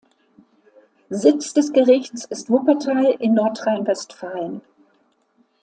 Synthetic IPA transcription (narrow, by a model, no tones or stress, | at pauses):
zɪt͡sd̥ɛsɡ̥əʁɪçt͡sɪstv̥ʊpɐtʰaːlʔɪnːɔɐtʁ̥aɪnvɛstfaːlən